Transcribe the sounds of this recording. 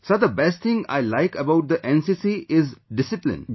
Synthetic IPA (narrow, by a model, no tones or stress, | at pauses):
sod̪əbɛst̚t̪ʰɪ̃ŋa̰ɪlaɪkəbaʊʈ̚d̪əʔɛ̃nsisiʔɪzɖɪsɪplɪ̰̃n